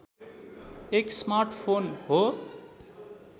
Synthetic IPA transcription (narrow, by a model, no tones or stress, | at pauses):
eksmarʈʰpʰonɦo